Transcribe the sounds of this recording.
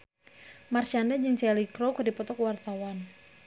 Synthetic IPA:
marsandad͡ʒɨŋt͡ʃɛlikɾokədipɔt̪ɔkwart̪awan

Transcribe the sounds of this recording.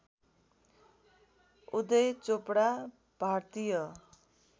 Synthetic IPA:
ud̪ʌjt͡sopɽa | b̥ʱart̪ijʌ

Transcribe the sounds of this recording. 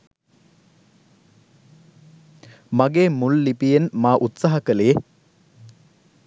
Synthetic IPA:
maɡeːmulːipijenmaːʔut̪saɦɐkələje

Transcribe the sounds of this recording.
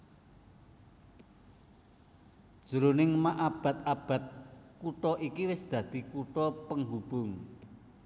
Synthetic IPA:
d̥ʒ̥əɾonɪŋmaʔab̥a̤t̪̚ab̥ä̤t̪̚kuʈɔʔikiwɪsd̪̥ä̤d̪̥i̤kuʈɔpəŋɦub̥ʊ̤ŋ

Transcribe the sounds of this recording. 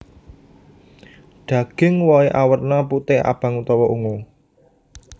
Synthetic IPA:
ɖ̪̥ä̤ɡ̥ɪ̤ŋwɔiʔawərnɔput̪ɪa̰b̥a̤ŋut̪ɔwɔʔuŋo

